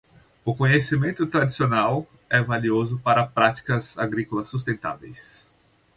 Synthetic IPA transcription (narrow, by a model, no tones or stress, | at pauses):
ʊkõɲesimẽnt̪ʊt̪ɾad͡ʒisionaw | ɛvaliozʊpaɾɐpɾat͡ʃi̥kɐzaɡɾikolɐsːus̬t̪ẽnt̪a̰vḛjs